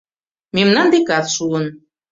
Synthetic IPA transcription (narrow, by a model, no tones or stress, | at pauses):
memnɑnd̪ekɑθʃuɤ̆n